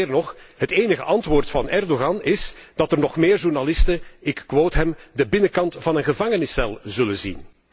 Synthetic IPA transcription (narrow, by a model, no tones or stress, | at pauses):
rnɔxɦəteːnəɣə̰ʔɑntʋoːrtfɑnɛrdoɣɑnɪsd̥ɑtərnɔχmɪːrʒurnalɪstəɪkːʋoːtɦɛmdəbɪnəkɑntfɑnənɣəvɑŋənɪsɛlˠzɵlənzḭn